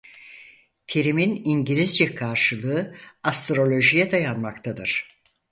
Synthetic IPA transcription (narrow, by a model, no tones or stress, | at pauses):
t̪ʰeɾiminiɲɟilʲizd͡ʒɛkʰaɾʃɯlˠɯːast̪ɾo̞lʲo̞ʒijɛd̪ajanmakt̪ʰad̪ɯɾ̥